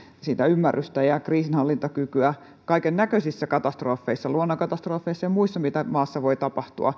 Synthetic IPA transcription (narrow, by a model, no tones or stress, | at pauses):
siːt̪æymːærːyst̪æjɑkriːsinhɑlːint̪ɑkykyæ | kɑikennækøsisːækɑt̪ɑst̪roːfːeisːɑluonːokɑt̪ɑst̪roːfːeisːɑɑmmuisːɑmit̪æmɑːsːɑʋoit̪ɑpɑht̪ṵɑ̰